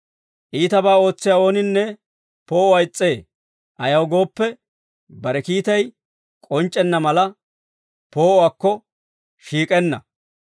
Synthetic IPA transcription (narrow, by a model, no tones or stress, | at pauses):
ʔiːt̪ɐbaːo̞ːt͡sːɪjaːo̞ːnɪnːɛ | poːɔwɐjt͡sʼːe̞ː | ʔɐjɐwɡo̞ːpːɛ | bɐɾɛkiːt̪ɐj | kʼɔnt͡ʃʼːɛnːɐmɐlɐ | po̞ːɔwaːkːɔ | ʃiːkʼɛnːɐ̰